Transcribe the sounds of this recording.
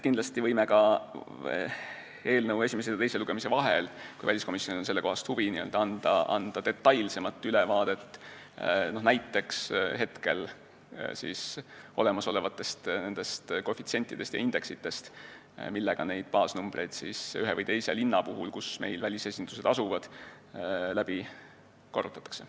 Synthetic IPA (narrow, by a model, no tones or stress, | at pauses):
kind̪lɑst̪ivɤjmekɑ | e̞ːlnəwe̞sʲimeseɑt̪e̞jse̞luɡ̥e̞mise̞vɑɦḛlkujvælisko̞misjonionse̞lːe̞ko̞hɑst̪huviniø̰ld̪̥ɑɑnd̪̥ɑ̰ɑ̰nd̪̥ɑd̪e̞t̪ˑːɑjlse̞mɑt̪ːˑylevɑːd̪̥e̞t̪ːˑ | no̞hnæjt̪ːˑe̞ksɦe̞t̪ke̞̰l | sḭːso̞̰le̞mɑso̞le̞vɑt̪ːˑe̞st̪ne̞nd̪̥e̞st̪kofit̪sie̞nʲt̪ːˑid̪̥e̞st̪jɑ̰ind̪̥e̞ksit̪ːˑe̞st̪ | milːeɡ̥ɑne̞jd̪̥̚pɑːsnumb̥re̞jd̪̥siːsyɦevɨjt̪e̞jse̞linːɑpuɦulkusme̞jlvælʲisesʲind̪̥use̞d̪̥ɑsuvɑd̪̥ | læb̥i | korːut̪ːˑɑt̪ːˑɑ̥kse̞